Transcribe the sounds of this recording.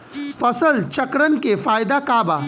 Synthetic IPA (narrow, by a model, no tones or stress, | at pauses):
fɐsəlt͡ʃɐkɾənkefaːjd̪akaːbaː